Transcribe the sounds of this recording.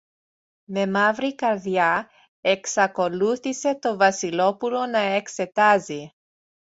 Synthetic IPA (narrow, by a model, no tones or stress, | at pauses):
me̞mɐvɾikɐɾðjɐ | eksɐko̞luθise̞t̪o̞vɐsilo̞pulo̞nɐekse̞t̪ɐzi